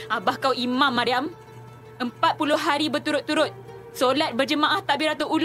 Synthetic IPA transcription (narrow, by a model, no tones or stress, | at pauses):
abahkawimãmːaɾiam | əmpat̪̚pulʊhɦaɾibərt̪uɾʊt̪ːuɾʊt̪̚ | solat̪̚bərd͡ʒəmãʔaht̪aʔbiɾat̪uʔul